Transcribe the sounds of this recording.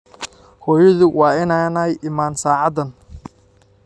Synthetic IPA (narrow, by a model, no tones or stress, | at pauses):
hɔːjɐðʊwɑːɪnanɐjʔɪmaːnsaːʕɑd̪ɐn